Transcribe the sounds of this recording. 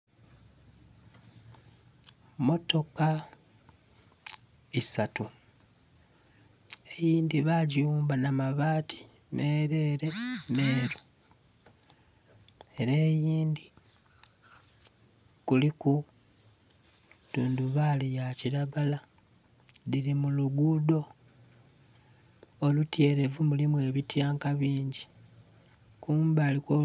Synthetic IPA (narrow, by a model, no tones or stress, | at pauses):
mo̞to̞ka | isatu | e̞jiːnd̪iβaɟiuːmbanamaβaːtʰi̥ | neːɾe̞ːɾe̞ne̞ːɾu | e̞ɾeːjiːndi | kuliku | tuːnduβalijaciɾaɡala | liɾimuluɡuːdo̞ | olutje̞ːɾe̞vumulimwe̞ːβitjaːŋkaβiːɲɟi | kuːmbaːliko